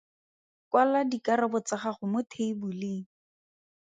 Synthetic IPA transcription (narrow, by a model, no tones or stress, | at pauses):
kwaladikaɾabʊt͡saχaχʊmʊtʰeibulɪ